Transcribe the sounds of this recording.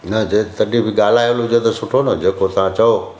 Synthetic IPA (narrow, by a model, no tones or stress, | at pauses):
nɐd͡ʑet̪ɐɗibʱɪɠaːl̤aːjolʊd͡ʑet̪ɐsʊʈʰonɐd͡ʑeːkot̪ãt͡ɕɐo